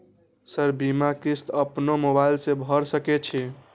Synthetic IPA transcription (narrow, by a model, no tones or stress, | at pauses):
səɾbimakist̪əpnomobailsẽbʱəɾsəket͡ʃʰi